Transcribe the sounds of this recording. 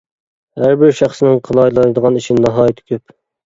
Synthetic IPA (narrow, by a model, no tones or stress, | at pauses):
hæɾbɪɾʃæχsɨnɪŋqʰəlˠɑjlˠɑɾd̪əʁɑniʃɪnnɑɦɑːjit̪ʰɪ̥kʲʰøp